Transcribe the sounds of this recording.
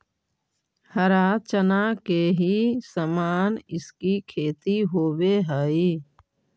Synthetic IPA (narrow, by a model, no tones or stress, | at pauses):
həɾaːt͡ʃənakeɦisəmaːnɪskikʰeːt̪iɦoːweɦəi